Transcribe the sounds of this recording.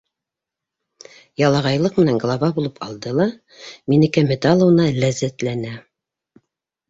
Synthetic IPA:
jɑlˠɑʁɑjlˠɤqmɘ̆næŋɡlˠɑβɑbulˠɤpʰɑlˠd̪ɤlˠɑ | minɘ̆kæmɘ̆d̪ɑlˠɤ̆wnɑlæzæt̪lænæ

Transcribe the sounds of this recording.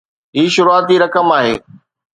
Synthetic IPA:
ɦiːʃʊɾuaːt̪iːɾɐkəmaːɦeː

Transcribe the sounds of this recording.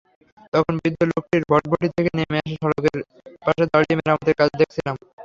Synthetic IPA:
t̪ɔkʰonbid̪ːolok̚ʈiɾbʱɔʈ̚bʱoʈit̪ʰekeniemeaʃ̬aʃɔɾokeɾ | paʃed̪aɽiemeɾamad̪eɾkat͡ɕʰd̪ekʰt͡ɕʰilam

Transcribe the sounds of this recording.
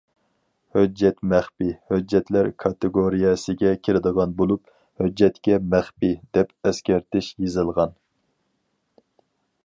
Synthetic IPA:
hød͡ʒːɛt̪mɛχpihød͡ʒːɛt̪ʰlæɾkʰɑt̪ɨɡoɾijɑsɪɡʲɛkʲʰiɾɪd̪əʁɑnbolˠup | hød͡ʒːɛt̪kʲɛmæχpid̪̥ɛpɛskʲæɾt̪ɪʃjezɨlˠʁɑn

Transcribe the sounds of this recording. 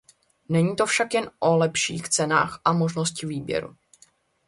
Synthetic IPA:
nɛɲiːt̪o̞fʃakjɛnʔo̞lɛpʃḭːxt͡sɛna̰ːxʔamo̞ʒno̞scɪviːbjɛ̰ɾṵ

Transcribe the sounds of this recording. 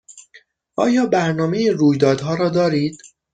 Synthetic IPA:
ʔɒ̰ːjɒːbæɾnɒːmejiruːjd̪ɒːd̪ɦɒːɾɒːd̪ɒːɾiːd̪̥

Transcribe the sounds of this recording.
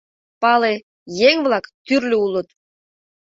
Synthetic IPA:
pɑle | jeŋβlˠɑkt̪yrlʲøulˠɤ̆t̪

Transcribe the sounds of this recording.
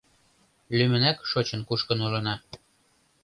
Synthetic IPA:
lymə̆nækʃot͡ɕə̆nkuʃkənulɤ̆nɑ

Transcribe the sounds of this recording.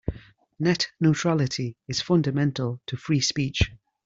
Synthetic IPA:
nɛʔnotʰɹ̥alɪtʰiɪz̥fʌ̃ndəmɛ̃ntʰəlˠtʰəfɹiːspiˑt͡ʃ

